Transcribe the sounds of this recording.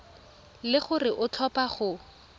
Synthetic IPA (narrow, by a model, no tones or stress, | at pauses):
lɪχʊrɪʔʊtʰɔpaχʊ